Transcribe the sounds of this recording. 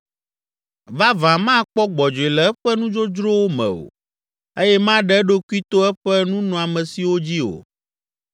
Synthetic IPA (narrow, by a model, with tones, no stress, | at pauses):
va˦vã˨mã˦˨k͡pɔ˦ɡ͡bɔ˨d͡ʒo˨e˨lɛ˨ɛ˦ɸɛ˦nũ˦d͡ʒo˦d͡ʒɾo˦wo˦mɛ̰̃˨o̰˨ | e˦jɛ˦mã˦ɖɛ˦ɖo˦ku˦i˦t̪o˦ɛ˦ɸɛ˦nũ˦nɔ̃˨a˨mɛ̃˨si˨wo˦d͡ʑi˦o̰˨